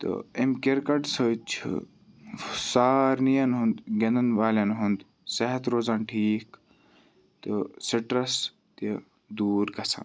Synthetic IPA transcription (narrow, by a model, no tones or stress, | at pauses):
t̪ɨ̰emkeɾkɐʈsət͡ʃʰɨ̰ | saːɾnijɐnɦund̪ɡend̪ɐnʋaːlʲɐnɦund̪ | sɐɦɐt̪ɾoːzaːnʈʰiːk | t̪ɨsiʈɾɐs | t̪i | d̪uːɾɡɐsã̰ːn